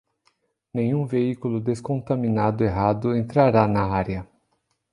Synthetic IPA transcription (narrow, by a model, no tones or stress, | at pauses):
nẽj̃ũveikulʊd̪eskõnt̪aminad̪ʊeɦad̪ʊẽnt̪ɾaɾanɐaɾjɐ